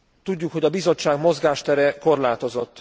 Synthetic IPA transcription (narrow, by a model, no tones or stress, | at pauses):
t̪uɟːukho̞ɟɒbizo̞t͡ʃːaːɡmo̞zɡaːʃt̪ɛɾɛko̞rlaːt̪o̞zo̞t̪ː